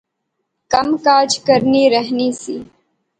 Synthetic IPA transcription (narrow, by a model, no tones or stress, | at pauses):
kəmkaːd͡ʒkəɾniːɾəɦniːsiː